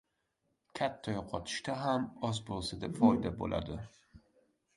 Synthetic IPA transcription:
kʲʰat̪ʰːajoqʰɒt̪ʰɪ̥ʃt̪aɦamɒzbolˠsad̪epfɒjd̪abo̰lʔa̰d̪ɪ

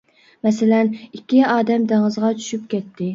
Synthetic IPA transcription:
mɛsɪlɛnikʲːiɑːd̪ɛmd̪ɪŋɨzʁɑt͡ʃʰy̥ʃypkʲʰɛt̪ʰːɪ

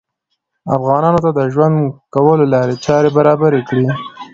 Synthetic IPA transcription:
a̰fɣɑnɑnot̪ad̪əʒwand̪kawəlolɑɾet͡ʃɑɾebaɾɑbaɾekɽi

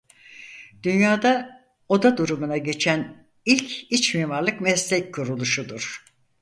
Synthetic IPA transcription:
d̪̥ynjaːd̪a | o̞d̪ad̪uɾumunaɟe̞t͡ʃʰæn | ilʲcit͡ʃmiːmaɾlˠɯkmɛslʲɛc̚kʰuɾulˠuʃud̪uɾ̥

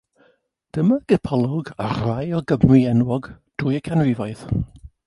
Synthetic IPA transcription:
d̥əməɡ̥əpʰɔlˠɔɡarlajɔɡəmriɛnwɔɡd̥uːjəkʰanrɪvajθ

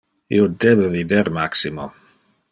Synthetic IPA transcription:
ḭod̪ebəvid̪eɾmaksimo

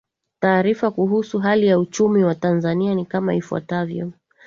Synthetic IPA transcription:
taːɾifakuɦusuɦalijaut͡ʃumiwatanzanianikamaifuwa̰tavjɔ̰

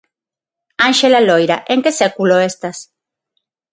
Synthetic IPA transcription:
ãnʃelalojɾaʔeŋkesekuloest̪as

